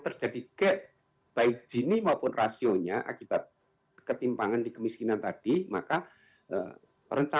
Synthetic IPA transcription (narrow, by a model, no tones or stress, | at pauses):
t̪ərd͡ʒadiɡ̥ɛʔ | b̥aɪk̚d͡ʒ̥i̤nimaupʊnrʔasioɲaʔa̰kib̥at̪̚ | kət̪impaŋandikəmiskinant̪ad̥ima̰ka | ə̰ | rəɲt͡ʃa